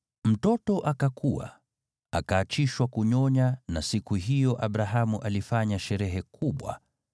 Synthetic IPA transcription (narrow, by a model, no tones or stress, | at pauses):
m̩tɔtɔʔakakʰuwa̰ | a̰kaːt͡ʃiʃwakuɲɔɲanasikuɦijɔʔaɓɾaɦamuʔalifaɲaʃɛɾɛɦɛkʰuɓwa̰